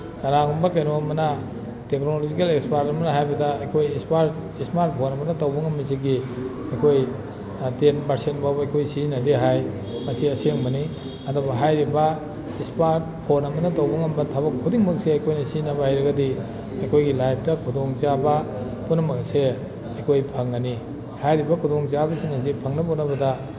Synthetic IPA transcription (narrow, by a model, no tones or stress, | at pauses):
taɾaŋumbɐk̬ajnoɐmɐnɐ | tek̚nolozikelekspaɾtɐmɐnɐɦajbɐdɐɐjkʰojspaɾismaɾt̚pʰonɐmɐnɐtawbɐŋɐmiziɡi | ɐjkʰoj | tenbɐɾsenbawbɐjkʰojsinɐdiɦaj | mɐsiɐseŋbɐni | ɐdobɐɦajɾibɐ | ispaɾt̚pʰonɐmɐnɐdawbɐŋɐmbɐtʰabɐkʰːudiŋmɐk̚seɐjkʰojnɐsinɐβɐhajɾɐɡɐdi | ɐjkʰojɡilajp̚ʰtɐkʰudoŋt͡ʃabɐ | punɐmɐkse | ɐjkʰojpʰɐŋɐni | hajɾibɐkʰudoŋt͡ʃabɐsiŋaz̬ipʰɐŋnɐbunɐbɐdɐ